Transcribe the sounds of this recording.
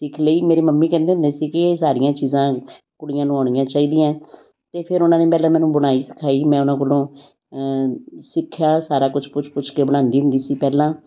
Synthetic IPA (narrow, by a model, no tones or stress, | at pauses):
sɪkʰleiːmeːɾeːməmːiːkɛ̃ːnd̪eːɦʊ̃nd̪eːsiːkɪːsaːɾɪjãːt͡ʃiːzãː | kʊɽɪjãːnũːaːɽ̃ɪjãːt͡ʃaːiːd̪ijãː | t̪eːpʰɪɾʊnãːneːpɛːlãːmɛ̃ːnũːbəɽ̃aːiːsə̥kʰaːiːmɛ̃ːʊnãːkolõː | sɪkʰːjaːsaːɾaːkʊt͡ʃʰpʊt͡ʃʰpʊt͡ʃʰkeːbəɽ̃ãːnd̪iːɦʊ̃nd̪iːsiːpɛːlãː